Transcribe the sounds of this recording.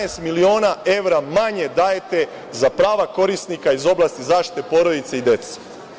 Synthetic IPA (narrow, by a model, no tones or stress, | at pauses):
est̪milio̞ːnaʔe̞ʋɾamaɲe̞d̪ajet̪e | zapɾaːʋako̞ɾist̪nikaizo̞blˠast̪izaːʃt̪i̥t̪epo̞ɾod̪it̪seid̪e̞t̪se̥